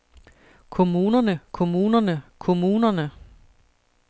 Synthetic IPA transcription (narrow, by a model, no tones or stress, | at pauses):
kʰo̝muːnɐnəkʰo̝muːnɐnəkʰo̝muːnɐnə